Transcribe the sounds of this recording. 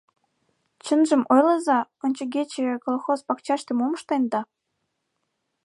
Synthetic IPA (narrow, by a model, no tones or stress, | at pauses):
t͡ɕə̆nʒə̆mʔojlɤzɑŏnʲt͡ɕə̆ɡʲet͡ɕĕkolxozpɑkt͡ɕɑʃt̪ĕmomə̆ʃt̪ɑjnd̪ɑ